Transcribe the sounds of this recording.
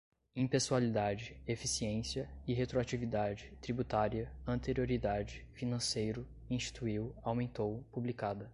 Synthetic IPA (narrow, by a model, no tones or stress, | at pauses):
ĩpesualid̪ad͡ʒɪefisiẽsiɐɪɦet̪ɾoat͡ʃivid̪ad͡ʒɪt̪ɾibut̪aɾiɐɐ̃nt̪eɾioɾid̪ad͡ʒɪfinɐ̃sejɾʊ | ĩst͡ʃi̥t̪uiwawmẽnt̪owpublikad̪ɐ